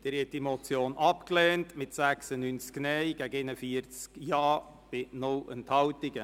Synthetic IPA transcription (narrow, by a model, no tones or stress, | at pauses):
d̥ɪɾhɛt̚d̥imot͡sjoːnʔɑpklɛːntmɪtsæksənynt͡sknɛjɡ̥æɡɪnəfiəɾt͡skjɑː | b̥ɪnʊlə̰nthɑwtɪɡə